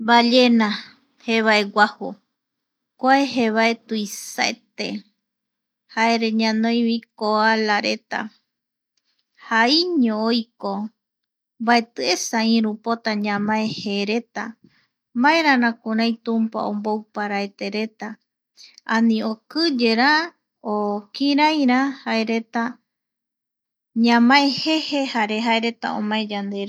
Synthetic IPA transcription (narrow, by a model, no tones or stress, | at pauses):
mbaʎenã | heβaeɡʷaho | kʷaeɦeβaet̪uisaet̪ḛ | haeɾe̞ɲãnõj̃βikoalaɾe̞t̪a̰ | haiɲõojko | mbae̞t̪ɨesaĩɾupot̪aɲãmãeheɾe̞t̪a | mãẽɾãnãkũɾãjt̪ũmpa̰õmbowpaɾaet̪e̞ɾe̞t̪a | ãnĩokɨd͡ʒe̞ɾa | okĩɾajɾahae̞ɾe̞t̪a | ɲãmãehehe̞haɾe̞ɦaeɾe̞t̪a̰õ̰mãẽd͡ʒand̪eɾ